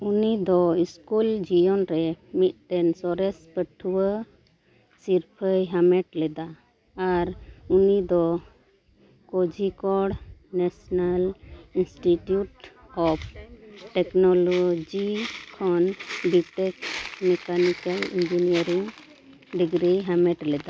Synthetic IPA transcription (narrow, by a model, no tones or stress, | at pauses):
unid̪ɔiskuld͡ʒijɔnɾɛmit̪̚ˀt̪ɛnsɔɾɛspəʈʰuwə | siɾpʰəjɦamɛʈlɛd̪aː | ɾunid̪ɔ | kɔd͡ʒikɔɽnɛsɔnalinsʈiʈjuʈ | ɔp̚ʰʈɛknɔlod͡ʒikʰɔnbiʈɛkmɛkanikalḭnd͡ʒiniəɾiŋ | ɖiɡɾiɦamɛʈlɛd̪a